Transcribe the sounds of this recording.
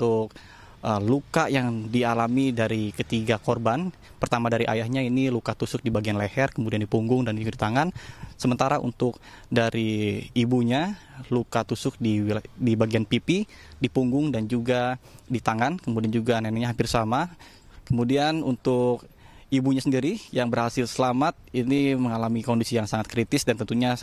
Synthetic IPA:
t̪ʊk̚ | ʔəlukajaŋdialamidaɾikət̪iɡakorban | pərt̪amadaɾiʔa̰jahɲainilukat̪usʊk̚dibaɡianlehɛrkəmudiandipuŋɡʊŋdand͡ʒuɡadit̪aŋansəmənt̪aɾaʔṵnt̪ʊk̚daɾʔiːbuɲa | lukat̪usʊk̚didibaɡianpipi | dipuŋɡʊŋdand͡ʒuɡa | dit̪aŋankəmudiand͡ʒuɡananaɲaɦampɪrsama | kəmudianunt̪ʊk̚ | ibuɲasəndiɾijaŋbərhasɪlsəlamat̪̚iniməŋalamikondisijaŋsaŋat̪̚kɾit̪ɪsdant̪ənt̪uɲa

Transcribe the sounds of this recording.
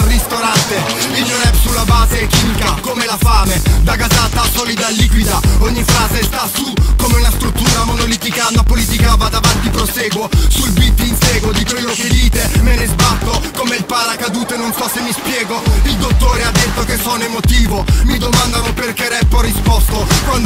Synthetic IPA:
rist̪oɾant̪e | ild͡ʒozɛbsulːabaːzekiːmikakomelafaːmed̪aɡazat̪ːasɔːlid̪alːikwid̪aɔɲːifɾaːzest̪asukomeunast̪ɾut̪ːuːɾamonolit̪ikanapolit̪ikavad̪avant̪ipɾoseːɡwosulbit̪ːinsɛːɡwod̪ikwelːoked̪iːt̪emenezbat̪ːokomeilpalakad̪uːt̪enonsɔsːemːispjɛːɡoild̪ot̪ːoːɾead̪ːet̪ːokesːɔnemot̪iːvomid̪omand̪anoperkeɾɛpːorːispɔst̪okwand̪

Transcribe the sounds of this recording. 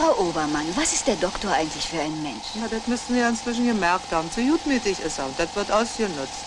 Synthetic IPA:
fʁaʊʔoːbɐmanvasɪstd̥eːɐdɔktoːɐʔaɪɡŋ̩tlɪçfyːɐʔaɪnənmɛnʃjaːdɐtmʏst̩viːjaːɪnt͡sv̥ɪʃ̬n̩ɡəmɛɐk̚thaːbm̩z̥ujuːtmiːtɪçɪsaʊnd̥atv̥ɪɐtʔaʊsd̥inʊt͡st

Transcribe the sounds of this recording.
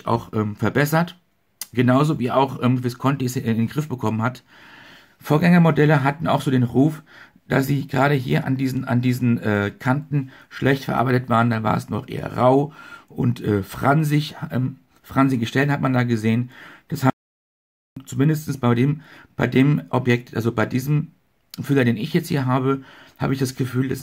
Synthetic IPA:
ʔa̰ʊxʔɛːmfɛɐbɛsɐt | ɡ̥ənaʊzoːviːaʊxʔɛmv̥ɪskʰɔntisɪnɪnɡʁɪfb̥əkʰɔmənhat | foːɐɡɛŋɐmodɛləɦatn̩a̰ʊxz̥oːdeːnʁuːf | d̥a̰sz̥iːɡəʁaːɾəɦḭːɐʔa̰ndiːzn̩a̰ndiːzn̩ʔɛːkʰantn̩ | ʃlʔɛçtfɛɐʔa̰ɐbaɪtətv̥aːʁəndanva̰ːɐɛ̰snɔχʔḛːɐ̰ʁaʊʔʊntʔɛːfʁ̥anzɪçʔɛ | fʁ̥anzɪɡəʃtɛlnhatmandaːɡəzeːənd̥asha | t͡sumɪndəstn̩sb̥aɪdeːmb̥aɪdeːmʔɔpjɛk̚tʔa̰lzobaɪdiːzəm | fylɐdeːnɪçjɛt͡sthiːɐɦaːbəha̰ːbəɪçd̥asɡ̥əfyːldas

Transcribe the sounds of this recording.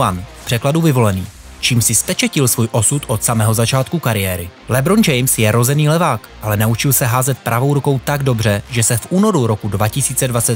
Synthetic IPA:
anpr̥ɛkladuvɪvo̞lɛniː | t͡ʃiːmsɪspɛt͡ʃɛcɪlsvuːjʔo̞sut̪ʔo̞t̪samɛɦozat͡ʃaːt̪kukaɾɪjɛːɾɪ | lɛbɾond͡ʒɛjmsjɛɾo̞zɛniːlɛvaːkʔalɛnaut͡ʃɪlsɛɦaːzɛt̪̚pɾavo̞wɾuko̞wt̪aɡdo̞br̝ɛʒɛsɛfʔuːno̞ɾuɾo̞kudvacɪsiːt͡sɛdvat͡sɛt̪

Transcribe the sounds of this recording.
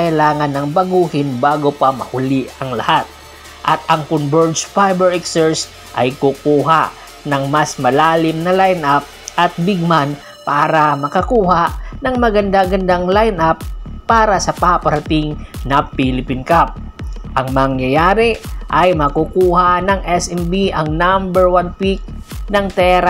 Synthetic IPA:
kɐɪlaːŋɐnːɐŋbɐɡuːhɪnbaːɡopɐmɐhʊlɪʔɐŋlɐhat̪̚ | ʔɐt̪ɐŋkʊnbɛɹd̪sfajbɛɹɛksɛɹs | ʔɐ̰jkʊkuːɦa | nɐŋmɐsmɐlaːlɪmnɐlajnʔap̚ʔɐt̪̚bɪɡ̚man | paːɾɐmɐkɐkuːhanɐŋmɐɡɐnd̪aɡɐnd̪aŋlajnʔapːaːɾɐsɐpapɐɾɐt̪ɪŋnɐpilɪpɪnkap̚ | ʔɐŋmɐɐŋjɐjaːɾɪʔɐjmɐkukuːhanɐŋʔɛsɛmbiʔɐŋnambɛɹwanpik̚ | nɐŋt̪ɛɾa

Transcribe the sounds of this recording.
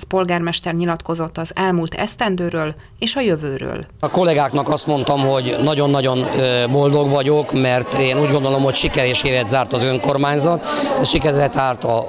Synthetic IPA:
spo̞lɡaːrmɛʃt̪ɛrɲilɒt̪ko̞zo̞t̪ːɒzɛlmuːlt̪ʰɛ̰st̪ɛnd̪øːɾøːl | eːʃɒjøvøːɾø̰ːlɒko̞lɛɡaːknɒkɒst̪mo̞n̪t̪ɒmɦo̞ɟnɒɟo̞nːɒɟo̞nøbo̞ld̪o̞ɡʋɒɟokmɛrt̪eːnuːɟɡo̞nd̪o̞lo̞mho̞cʃikɛɾeːʃeːɾɛd̪zaːrt̪ɒzøŋko̞rmaːɲzɒt̪d̪ɛʃikɛɾɛlɛt̪aːrt̪ɒ

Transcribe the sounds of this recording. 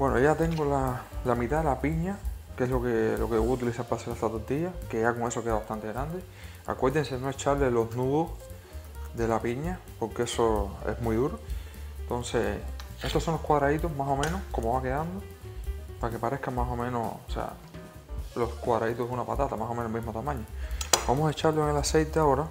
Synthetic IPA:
bwe̞no̰ʝat̪e̞ŋɡolalamit̪aðelapiɲake̞slo̞kelo̞keuut̪ilisaɾpaselet̪at̪oɾt̪iʝake̞ʝako̞ŋe̞so̞ke̞ðaβaht̪ant̪e̞ɣɾand̪e̞ | a̰kwe̞ɾðense̞no̞et͡ʃaɾle̞lo̞znuðos | ðe̞lapiɲa | po̞ɾkee̞soḛzmiðuɾo̞ent̪o̞nse̞e̞ht̪osõ̞nlokwaðɾait̪o̞ɦmaso̞mẽnohko̞moβake̞ðand̪opaɾake̞paɾe̞hkaŋmaso̞mẽ̞no̞̰sosḛa̰ | lo̞skwaðɾait̪ounapat̪at̪amasomenoemiɦmo̞t̪amãɲobamosaet͡ʃaɾloeŋe̞lase̞jt̪eao̞ɾa

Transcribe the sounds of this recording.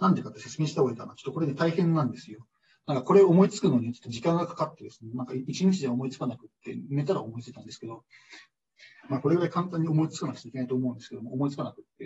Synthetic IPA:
nãnt̪ekat̪ːese̞t͡sɨme̞ɕi̥t̪aoikanat͡ɕo̥t̪ːoko̞ɾe̞nːet̪aihẽ̞nːãnd̪e̞sɨjo̞ | nãŋkako̞ɾe̞oomo̞it͡sɨ̥kɯ̟no̞ːɲ̟it͡ɕot̪ːod͡ʑikãŋɡakḁkat̪ːe̞d̪e̞sɨ̥ne̞nãŋkait͡ɕiɲ̟it͡ɕiʑaomo̞it͡sɨ̥kanakɯ̟t̪ːe̞̰ne̞t̪aɾaomo̞it͡sɨit̪ãnd̪e̞sɨ̥ke̞d̪o̞ | maːko̞ɾe̞ɡɯɾaikãnt̪ãɲ̟ːio̞mo̞it͡sɨkanakɯ̟̥t̪eikʲnait̪oːmo̞ɯ̃nd̪sɨ̥ke̞d̪omoomo̞it͡sɨ̥kanakɯ̟t̪ːe̞

